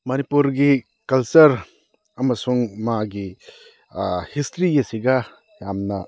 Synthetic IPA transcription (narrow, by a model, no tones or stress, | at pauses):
mɐnipuɾɡi | kɐlsɐɾ | ɐmɐsuŋmaɡi | histʰɾijɐsiɡɐ | jamnɐ